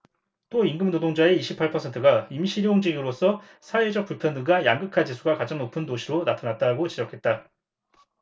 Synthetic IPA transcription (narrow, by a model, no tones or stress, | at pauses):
t͈oinɡɯmnodoŋd͡ʑae̞iɕʰipʰːaɭpʰʌsʰentʰɯɡaimiɕʰiɾioŋd͡ʑiɡɯɾos͈ʰʌ | sʰaed͡ʑʌk̚p͈uɭpʰjʌndɯɡajaŋɡɯkʰad͡ʑisʰuɡakad͡ʑaŋnopʰɯndoɕʰiɾonatʰanat̚t͈aɡot͡ɕid͡ʑʌkʰe̞t̚t͈a